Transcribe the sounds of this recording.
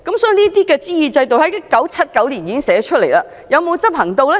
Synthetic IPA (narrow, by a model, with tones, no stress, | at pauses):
kɐ˧˥msɔː˨˥i˨˧niː˥t̪iː˥kɛː˧t͡siː˥jiː˨˩t͡sɐ˧jt̪o˨whɐ˨˥jɐ˥kːɐ˨˥wt͡sʰɐ˥t̚kɐ˨˥wliː˨˩njiː˨˥ɪ˥ŋsɛː˨˥t͡ʃʰɵ˥t̚le˨˩jlaː˧ | jɐ˨˧wmo˨˧wt͡sɐ˥p̚hɐ˨˩ŋt̪o˧wlɛ˥